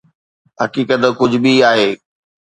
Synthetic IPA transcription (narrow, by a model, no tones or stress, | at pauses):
ɦɐkiːkət̪kʊd͡ʑʱʊbiaːɦeː